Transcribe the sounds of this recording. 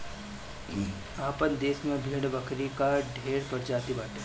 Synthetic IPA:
aːpənd̪eːsmẽbʱiːɽbəkʰɾikaɖʱeːɽpɐɾd͡ʒaːt̪ibaːʈe

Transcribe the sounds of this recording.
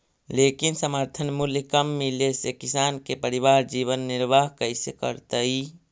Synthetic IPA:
leːkinsəməɾt̪ʰənmʊlkəmːilesekɪsaːnkepəɾiʋaːɾd͡ʒiːʋənːɪɾʋaːɦkəɪsekə̰ɾt̪əi

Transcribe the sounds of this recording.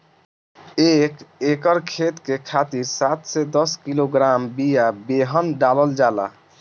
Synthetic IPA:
ekekɔɾkʰet̪kekʰat̪iɾsat̪sɛd̪ɔskiloɡɾambijabeɦɔnɖalɔld͡ʒala̰

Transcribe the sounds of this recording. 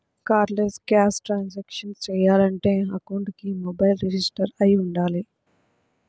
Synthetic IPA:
kaːɾlesɡaːsʈɾãːnzɛːkʃənt͡ʃeijaːləɳʈẽɦakũːɳɖkiːmoːbaːɪlɾed͡ʒɪsʈəɾaiʊ̃ɳɖaːleː

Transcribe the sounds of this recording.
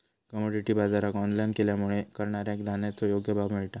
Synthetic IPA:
kəmoɽiʈiːbad͡zaɾakɔnlajnkeljamuɭekəɾɳaɾjaekd̪ʱanet̪ojoɡjəbʱabmiɭʈa

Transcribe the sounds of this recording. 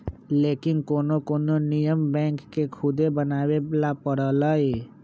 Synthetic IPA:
leːkɪnkoːnokoːnonɪjəmbɛ̃ːŋkːekʰʊd̪ebənaːwelapəɽəlaeː

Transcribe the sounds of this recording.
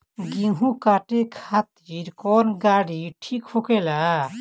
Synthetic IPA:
ɡiɦũkaːʈekʰaːt̪iɾkɔːnɡaːɽiʈʰiːkhokela

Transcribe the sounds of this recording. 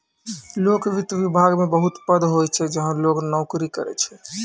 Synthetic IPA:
lokʋit̪əʋibʱaɡmebəɦut̪pəd̪ɦojt͡ʃʰɛd͡ʒəɦãloknɔʊkɾikə̰ɾɛ̰t͡ʃʰɛ

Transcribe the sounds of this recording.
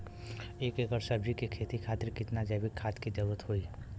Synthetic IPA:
eːkəɡəɾsəbd͡ʒikikʰeːt̪ikʰaːt̪ɪɾkɪt̪nad͡ʒɐbikʰːaːt̪kid̪ɐɾuɾət̪ɦoi

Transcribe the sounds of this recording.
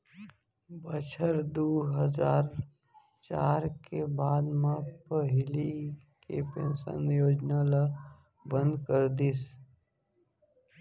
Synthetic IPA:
bət͡ʃʰəɾd̪oːɦəzaːɾ | t͡ʃaːɾkebaːd̪mãpəɦɪli | kepḛ̃nsə̰̃njoːd͡ʒnala | bə̃nd̪kəɾd̪is

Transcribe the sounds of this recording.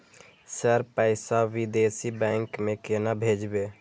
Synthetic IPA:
səɾpəɪsaʋid̪esibɛ̃ŋkmẽkenabʱed͡ʒbe

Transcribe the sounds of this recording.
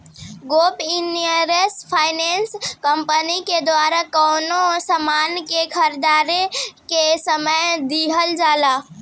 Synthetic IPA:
ɡopinəɾespʰajnenskəmpəniked̪waɾakənosəmankekʰəɾd̪aɾekesəməjd̪iɦəld͡ʒala

